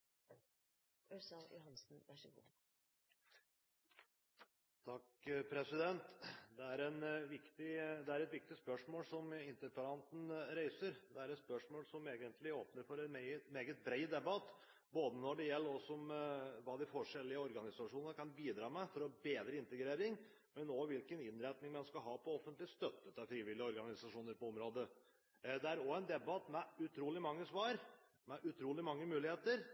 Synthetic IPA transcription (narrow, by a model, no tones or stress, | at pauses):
œsɑjʊhɑnsn̩ʋæʂəɡṵ | t̪ʰɑkpʰɾɛsɪd̪ɛnt̪d̪ɛæɾɛnʋɪkt̪ɪd̪ɛæɾɛt̪ʋɪk̚t̪ɪspœʂmoːlsɔmɪnt̪əɾpəɾɑnt̪n̩ɾeɪsəɾd̪ɛæɾɛt̪spœʂmoːlsɔmeːɡənt̪ʰlɪoːpnəɾfɔɾɛnmɛɪət̪meːɡət̪̚bɾeɪd̪ɛbɑt̪ː | boːd̪ənɔɖɛjɛlːəɾɔsɔmʋɑːd̪ɪfɔʂɛlːɪəɔɾɡɑnɪsɑʂuːnənəkʰɑnbiːd̪ɾɑːmɛfɔɾɔbeːd̪ɾəɪnt̪əɡɾeːɾɪŋ | mɛnoːʋɪlkənɪnːɾæt̪nɪŋmɛnskɑlɦɑːpʰɔɔfːənt̪lɪst̪œt̪ːət̪ɑfɾiːʋɪlɪəɔɾɡɑnɪsɑʂuːnəɾpɔɔmɾoːd̪ə | d̪ɛæɾɔɛnd̪ɛbɑt̪mɛʉt̪ʰɾuːlɪmɑŋːəsʋɑːɾ | mɛʔʉt̪ʰɾuːlɪmɑŋːəmʉːlɪheːt̪əɾ